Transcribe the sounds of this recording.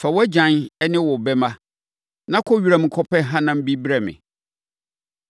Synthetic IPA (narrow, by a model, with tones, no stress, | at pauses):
fɛ˨wɔ˦æ˦d͡ʑã˨nɛ˦nɪ̃˦wɔ˨bɛ˦mã˦ | nã˦kʰɔ˦ɥi˨˦ɾa˨m̩˨kʰɔ˦pʰɛ˦ɦã˦nã˦m̩˦bi˦bɾɛ˨mɪ̰̃˨